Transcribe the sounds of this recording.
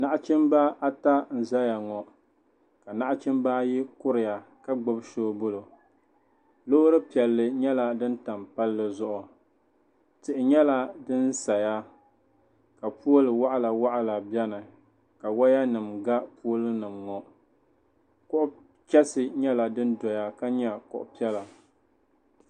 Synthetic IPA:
na˦ʔa˦t͡ʃɪ˦mba˦ʔa˦ta˦n̩˨za˦ja˨ŋɔ˨ | ka˨na˦ʔa˦t͡ʃɪ˦mba˦ji˦kʊ˦ɾɪ˨ja˨ | ka˦ɡ͡bo˦bʃoː˦bʊ˦lo˨ | lo˦ɾɨ˦pi˨ɛ˨lːɨ˨ɲɛ˦la˨dɨ˦n̩˦ta˨mpa˦lːɨ˨zʊ˦ʔʊ˨ | tɨ˨ʔɪ˨ɲɛ˦la˦dɨ˦n˦sa˨ja˦ | ka˨pu˦o˦lɨ˨wa˦ʔa˦la˨wa˦ʔa˦la˨bjɛ˦nɨ˨ | ka˨wa˦ja˦nɨ˨mɡa˦pu˦o˦lɨ˦nɨ˨mŋɔ˨ | kʊ˦ʔʊ˦ | t͡ʃɛ˦sɨ˨ɲɛ˦la˨dɨ˦n˦dɔ˨ja˦ka˦ɲɛ˦˨kʊ̰˨ʔʊ̰˨pi˦ɛ˦la˨

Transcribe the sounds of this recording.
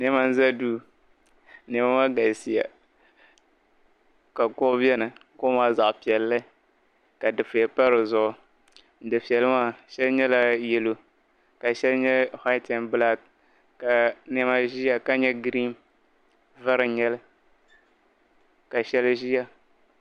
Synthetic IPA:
nɛ˦ma˦n̩˦za˦duː˦ | nɛ˨ma˦ma˦ɡa˨si˨ja̰˨ | ka˨ko˦bɛ˦nɨ˨ko˦maː˦za˨ʔpi˨ɛ˨lːɨ˦ | ka˨dɨ˨fɨ˨ja˨pa˦ɾɨ˨zʊ˦ʔʊ˨ | n̩˨dɨ˨pi˨ɛ˨lɨ˦maː˦ʃɛ˦lɲɛ˦la˦jɛ˨lo˨ | ka˨ʃɛ˦lɲɛ˦ha˦tɛ˨nbɨ˦la˦ | ka˨nɛ˦ma˦ʒi˦ja˨ka˦ɲɛ˦ɡɾi˦m | va˦ɾɨ˨ɲɛ˦lɨ˦ | ka˨ʃɛ˦lʒi˦ja˦

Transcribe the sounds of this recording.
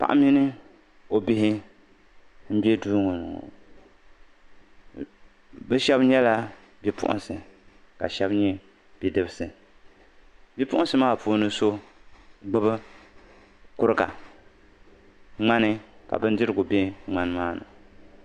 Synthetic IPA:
pa̰˨ʔa̰˦mi˦nɨ˦ | o˨bi˦ɦɪ˦ | m̩˦bi˦ɛ˦duː˦ŋo˨n̰˨ | bɨ˦ʃɛ˦bɲɛ˦la˦ | bi˦pʰʊ̰˦ʔʊ̰˨nsɨ˨ | ka̰˨ʃɛ˦bɲɛ˦ | b̥i˨dɨ˦bsɨ˨ | bi˦pʊ˦ʔʊ̃˦sɨ˦maː˦˨puː˨˦nɨ˦so˦ | ɡ͡bɨ˦bɨ˦ | kʊ˦ɾɨ˦ka̰˨ | ŋ͡ma˦nɪ˦ka̰˨bɨ˦n˦dɪ˦ɾɨ˨ɡʊ˨be˦ŋ͡ma˦n˦maː˦nɨ̰˨

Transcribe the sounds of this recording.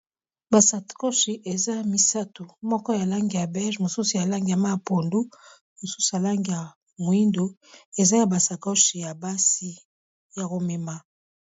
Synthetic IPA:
ba˨sa˨ko˦ʃi˨ʔe˨za˦mi˦sa˦tu˨mɔ˦kɔ˦ja˨la˦ŋɡi˨ja˨bɛ˦ʒmo˨su˦su˨ja˨la˦ŋɡi˨a˨ma˦˨po˨ndu˦ | mo˨su̥˦su˨a˨la˦ŋɡi˨ja˨ | mo˨i˦ndo˨ | e˨za˦ja˨ba˨sa˨ko˦ʃi˨ja˨ba˦si˦ | ja˨ko˨me˨ma˦

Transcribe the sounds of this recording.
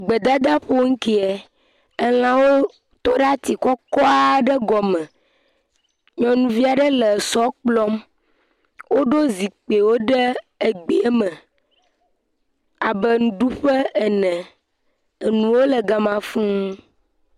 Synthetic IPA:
ɡ͡be˨d̪a˦d̪a˦ɸo˦ŋ̩˦ki˦ɛ˨ | e˦l̃ã˦wo˦ | t̪ɔ˦ɖa˦t̪i˨kɔ˦kɔ˦a˦ɖə˦ɡɔ˨mə̃˨ | ɲɔ̃˨nũ˨vi˦a˨ɖə˦lə˨sɔ˦k͡plɔ˦m | wo˦ɖo˦zi˨k͡pe˨wo˦ɖɛ˦ | e˨ɡ͡bi˨ɛ˦mə̃˨ | a˨bə˨ŋũ˨ɖu˦ɸə˦e˨nɛ̃˨ | nũ˨wo˦lə˨ɡa˨mã˨fũ˦

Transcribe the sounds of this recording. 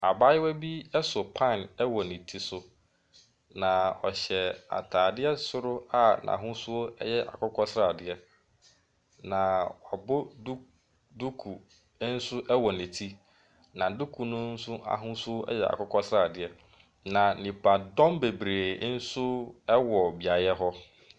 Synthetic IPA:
a˨ba˦jɪ˦wɛ˦bi˦ɛ˦sʊ˨pʰã˦˨nɛ˦wɔ˨nĩ˨tʰi˦sʊ˦ | nã˨ɔ̰˨ɕɛ˨a̰˨tʰaː˨dɪ˦ɛ˦sʊ˦ɾʊ˦a˦nã̰˨ɦʊ̃˦sʊ˦o˦ɛ̰˦jɛ˦ʔa̰˨kʰʊ˦kʰɔ˦sɾa˨dɪ˨ɛ˦ | nã˨wa˨bʊ˦du˦ | du˦kʰu˨˦ | n̩˦sʊ˦ʔɛ˦wɔ˨nĩ˨tʰi˦ | nã˨du˦kʰu˨nʊ̃˦n̩˦sʊ˦ʔa̰˨ɦʊ̃˦su˦o˦ɛ̰˦jɛ˨a̰˨kʰʊ˦kʰɔ˦sɾa˨dɪ˨˦ɛ˦ | nã˨nĩ˨pʰa˨dɔ̃˦mbe˨bɾeː˨˦n̩˦sʊ˦ɛ˦wɔ˨bi˨a˨jɛ˦ɦɔ˦

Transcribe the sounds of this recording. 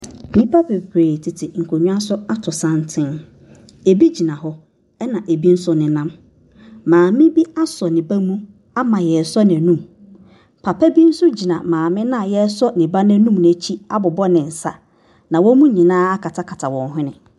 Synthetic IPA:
nĩ˦pʰa˦pʰe˨pʰɾeː˨tʰɪ˨tʰɪ˨ŋ̩˨kʰo˨ɲʊ̃˦a˦sʊ˦a˦tʰʊ˨sã˦ntʰɪ̃˦n | e˨bi˦d͡ʑi˨nã˨ɦɔ˦ | ɛ˦nã˨ʔe˨bi˦n̩˦sʊ˦nɪ̃˨nã˦m | mãː˨mɪ̃˦bi˦a˦sɔ˨nɪ̃˨ba˦mũ˦ | a˦mã˨jɛ˨sɔ˦nɪ̃˨nũ˦˨m | pʰa˨pʰæ˦bi˦n̩˦sʊ˦d͡ʑi˨nã˨mãː˨mɪ̃˦nã˦˨jɛ˦sɔ˦nɪ̃˨ba˦nɪ̃˦nũ˦mn˨æ˨˦t͡ɕʰi˦a˦bʊ˨bɔ˦nɪ̃˨n̩˨sa̰˦ | nã˨wɔ̃˦mũ˦ɲĩ˨nãː˦a˦kʰa˨tʰa˦kʰa˨tʰa˨wɔ̃˨nɦʊ̃˦nɪ̰̃˨

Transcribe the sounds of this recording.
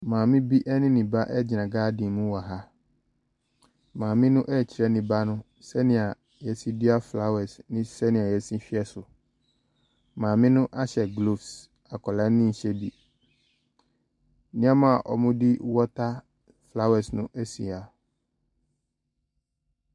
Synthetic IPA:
mãː˨mɪ̃˦bi˦ʔɛ˦nɪ̃˦nĩ˨ba˦ʔɛ˦d͡ʑi˨nã˨ɡaː˦dĩ˨mũ˦wa˨ɦa˦ | mãː˨mɪ̃˦nʊ̃˦ʔɛ˦˨t͡ɕʰi˨ɾɛ˦nĩ˨ba˦nʊ̃˦ | sɛ˦nɪ̃˨a˨ | jɛ˨sĩ˦di˦a˦fla˦wɛ˨snɪ̃˦sɛ˦nɪ̃˨a˨jɛ˨sĩ˦ɕᶣi˦ɛ˦sʊ˨ | mãː˨mɪ̃˦nʊ̃˦ʔa˦ɕɛ˨ɡlo˨fs | a˨kʰɔ˨la˨˦nɪ̃˦n̩˨ɕɛ˦bi˦ | nɪ̃˦a˦mã˦˨ʔɔ̰˨mʊ̃˦di˦wɔ˦tʰa˦ | fla˦wɛ˨snʊ̰̃˦ʔɛ˦si˨a˨

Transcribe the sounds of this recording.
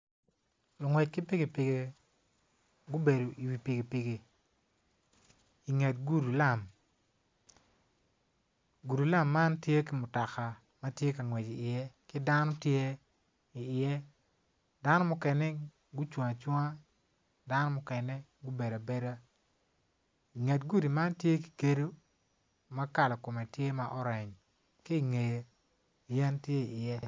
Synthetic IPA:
o˨ŋwɛ˨t͡ʃkɪ˦pɪ˦ɡɪ˨pɪ˨ɡe˨ | ɡʊ˦be˨do˨i˨wi˨pɪ˨ɡi˨pɪ˨ɡe˨ | i˨ŋe˨t̚ɡu˦ɾu˨la˦˨m | ɡu˨ɾu˨la˦mːa˦ntje˦kɪ˦mʊ˨ta˨ka˨ | mɐ˦tje˦ka˨ŋwɛ˨t͡ʃi˨ɪ˨ɛ˦kɪ˦da˦nɔ˦tje˦ | i˨ɪ˨jɛ˦ | da˦nɔ˦mʊ˦kɛ˨nɛ˦ | ɡu˦t͡ʃwŋa˨t͡ʃwɔ˦ŋa˦ | da˦nɔ˦mʊ˦kɛ˨nɛ˦ɡʊ˦be˨da˨be˦da˦˨ | ŋe˨tɡu˦di˨ma˦ntje˦ki̥˨ke˦do˦ | ma˦ka˨lɔ˨ko˨me˨tje˦ma˦ʔɔ˦ɾɛ˨ɲ | ki˦i˨ŋe˨je˨ | jɛ˦ntje˦i˨ɪ˨jɛ˦

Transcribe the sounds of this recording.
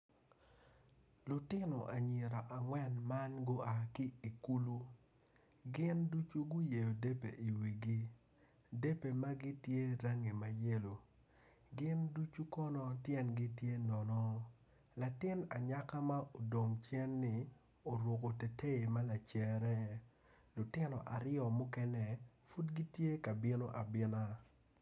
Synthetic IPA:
lʊ˨tɪ˦no˨ʔa˨ɲe˨ɾa˨ʔa˨ŋwɛ˦nma˦nɡo˦a˨ki˦i˨ku˦lu˦ | ɡɪ˦ndu˦t͡ʃu˦ɡʊ˦je˨jo˨de˦pḛ˨ʔi˨wi˨ɡi˦ | de˦pe˨ma˦ɡi˦tje˦ɾa˦ŋi˨ma˨je˦lo˨ | ɡɪ˦ndu˦t͡ʃu˦kɔ˦nɔ˦tjɛ˦nɡi˦tje˦nɔ˨nɔ˦ | la˨tɪ˦na̰˨ɲa˦ka˦ma˦ʔo˨do˨mt͡ʃjɛ˦nːɪ˨ | o˨ɾwo˨ko˨te˨te˦e˨ma˦la˨t͡ʃɛ˨ɾɛ˦ | lʊ˨tɪ˦nɔ̰˨ʔa˨ɾɪɔ˨mʊ˦kɛ˦nɛ˨ | fu˦tɡi˦tje˦ka˨bɪ˦no̰˦ʔa˨bɪ˦na˦

